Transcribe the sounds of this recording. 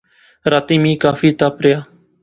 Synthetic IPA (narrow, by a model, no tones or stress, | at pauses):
ɾaːt̪iːmĩːkaːfiːt̪aːpɾɪjaː